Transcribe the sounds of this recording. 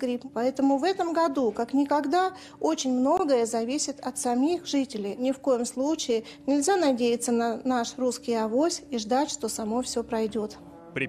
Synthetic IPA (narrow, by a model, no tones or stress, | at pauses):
ɡɾʲippɐɛt̪əmʊvɛt̪əmɡɐd̪ukaknʲɪkɐɡd̪a | o̞t͡ɕɪnʲmno̞ɡəjəzɐvʲisʲɪt̪ɐt̪sɐmʲixʐɨtʲɪlʲɪjnʲɪfko̞jɪmslˠut͡ɕɪɪ | nʲɪlʲzʲanɐdʲejɪt̪sənanaʂruskʲɪjɐvo̞sʲiʐd̪atʲʂt̪o̞sɐmo̞fsʲopɾɐjdʲot̪